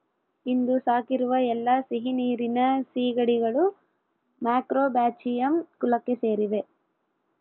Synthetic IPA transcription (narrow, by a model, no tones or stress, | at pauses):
ind̪usaːkiɾuʋɐɛlːɐsiɦiniːɾinɐsiːɡɐɽiɡɐɭu | maːkɾoːbaːt͡ʃijɐmkulɐkːese̞ːɾiʋe̞